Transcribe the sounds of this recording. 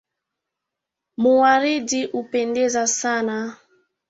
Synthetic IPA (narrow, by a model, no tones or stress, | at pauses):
muwaɾidiʔupɛndɛzasana